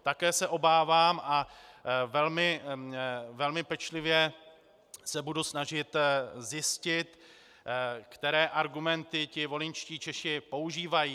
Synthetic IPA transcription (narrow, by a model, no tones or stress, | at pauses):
t̪akɛːsɛʔo̞baːvaːmʔa | vɛlmɪ | vɛlmɪpɛt͡ʃlɪvjɛ | sɛbudusnaʒɪt̪zjɪscɪt̪ | kt̪ɛɾɛːʔaɾɡumɛnt̪ɪcɪvo̞lɪɲt͡ʃciːt͡ʃɛʃɪpo̞uʒiːvajiː